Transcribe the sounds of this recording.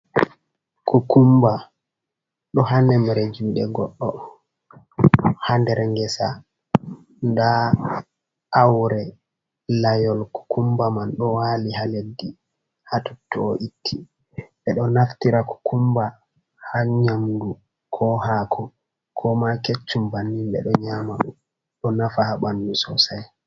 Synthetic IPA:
kukumba | ɗɔɦanɛmɛɾed͡ʒuːɗɛɡɔ̰ɗːɔ | handɛɾɛŋɡɛsa̰ | nda | awɾɛ | lajɔlku̥kʰumbamanɗɔwaːlihaledːi | hatutːɔːʔitʰːi | ɓɛɗɔnaftiɾaku̥kʰumba | haɲamdu | kʰɔhakʰu | kʰɔmaket͡ʃːumbanːimɓɛ̰ɗɔɲamaɗum | ɗɔnafahabandusɔsaj

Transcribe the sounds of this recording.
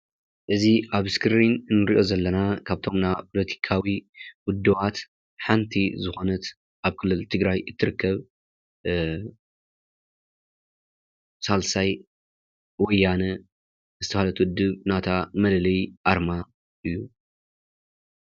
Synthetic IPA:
ʔɨziʔaβɨskʰɨɾinnːɨɾiʔo̞zɐlːɐnakʰaβt̪ʰo̞mnapʰo̞lɐt̪ʰi̥kʰawiwʊd̪ːɨβat̪ | ħant̪ʰizɨxo̞nɐt̪ | ʔaβkʰɨlːɨlt̪ʰɨɡɾajɨt̪ʰːɨɾɨkːɐβ | salsaj | wɔjːanɐ | zɨt̪ʰɐfhalɐt̪wʊd̪ːɨβnat̪ʰamɐlɐlɐjʔaɾma | ʔɨjːu

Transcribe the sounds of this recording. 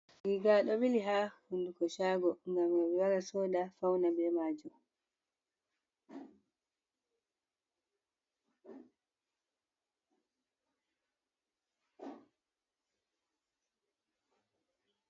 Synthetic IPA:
ɡiɡaɗɔɓiliɦaːhundukɔʃaːɡɔŋɡamjɛɓiwaɾasɔːɗafawnabɛmaːd͡ʒɔ

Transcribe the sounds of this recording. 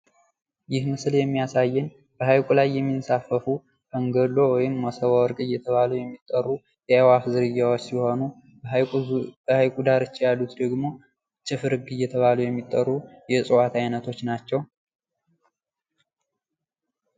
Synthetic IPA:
jɪhmɨsljɛmːijasajːɨn | b̥əhajkʼulajːɛmːinsafːəfu | kəŋɡəlo̞wɔjɪmːəsəwawɔɾkʼɨjːɛt̪ʰəβalujɛmːit̪ʼːərːu | jɛwafzɨɾɨjːawot͡ʃːsiho̞nu | bəhajkʼud̪aɾɨt͡ʃːjalːut̪d̪əɡmo̞ | t͡ʃʼɨfɨɾɨɡɨjːɛt̪ʰəβalujɛmːit̪ʼːərːujɛsʼɨwat̪ʰajnət̪ʰo̞t͡ʃːnat͡ʃːɛw

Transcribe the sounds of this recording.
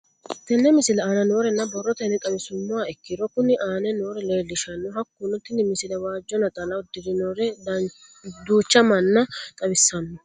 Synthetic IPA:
t̪ːɛnːɛmɪsɪlɛaːnɐno̞ːɾɛnːɐbɔrːɔt̪ɛnɪk̪ʼɐbɪsʊnːʊwaɛkːɪɾɔkʊnːɪʔaːnɛno̞ːɾɛleːlːɪʃɐnːʊɦɐkːunʊt̪ːɪnːɪmɪsɪlɐwaːd͡ʒːɔnɐt̪ʼɐlɐʊd̪ɪɾɪnoːɾɛ | d̪uːt͡ʃːɐmɐnːɐt̪ʼɐbɪsːɐnːɛ

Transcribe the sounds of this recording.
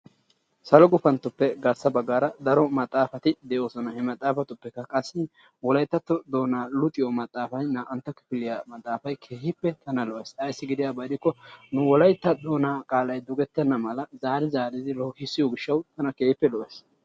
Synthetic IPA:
sɐlɔɡʊfɐnt̪ːʊpːɛɡɐɾsːɐbɐɡːaːɾɐd̪ɐɾɔmɐt̪ʼːaːfɐt̪ɪd̪ɛʔoːsɔnɐhɛmɐt̪ʼːaːfɐt̪ʊpːɛkːɐkʼɐsːɪ | wɔlɐjt̪ːɐt̪ːɔd̪o̞ːnaːlʊt̪ʼɪjɔmɐt̪ʼːaːfɐjnaːʔɐnt̪ːɐkːɪ̥fɪlɪjaːmɐt̪ʼːaːfɐjkʰeːhɪpːɛt̪ɐnɐlɔʔesʼɐjsːɪɡɪd̪ɪjabɐd̪ɪkːɔnʊwɔlɐjt̪ːɐd̪o̞ːnaːkʼaːlɐjd̪ɔɡɛt̪ːɛnːɐmɐlɐzaːɾɪzaːɾɪd̪ɪlɔhɪsːɪjɔɡɪʃːɐwt̪ɐnɐkeːhɪpːɛlɔʔes

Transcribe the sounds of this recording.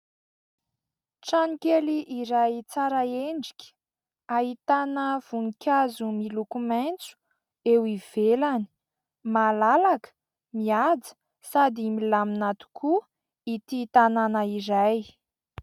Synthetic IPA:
ʈ͡ʂanikʲeliʔiɾajt͡saɾaeɳɖ͡ʐi̥kʲə̥ | aɦit̪anəv̥uŋikʲazumilukumant͡su̥ | ewiv̥elani̥ | malalakə̥ | miad͡zə̥ | sad̪imilaminat̪u̥kʰu | it̪it̪ananəiɾaj

